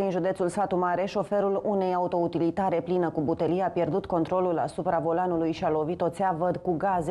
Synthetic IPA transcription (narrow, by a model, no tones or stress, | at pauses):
d̪inʒud̪e̞t̪sulsfat̪umaɾe̞ʃo̞fe̞ɾulune̞jaut̪o̞ut̪ilit̪aɾe̞plinəkubut̪elieapje̞rd̪ut̪ko̞nt̪ɾo̞lula̰supɾavo̞lanulujʃialo̞vit̪o̞t̪seavəd̪kuɡaze